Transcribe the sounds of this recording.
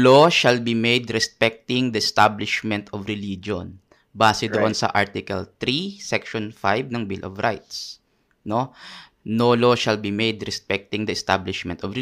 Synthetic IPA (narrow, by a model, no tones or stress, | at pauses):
loʃɐlbimejd̪ɾɛspɛk̚t̪ɪŋd̪ɐʔɛst̪ablɪʃmɛ̃nt̪ɔvɹɛlid͡ʒo̰n | baːsɛd̪oʔonsɐ̰ʔaɹt̪ɪkɐ̰lt̪ɾisɛkʃɔnfajbnɐŋbɪlʔɔ̰vɹa̰jt̪s | no | noloʃɐlbimejd̪ɾɛspɛk̚t̪ɪŋd̪ɐɛst̪a̰blɪʃmɛ̃nt̪ɔvɹɪ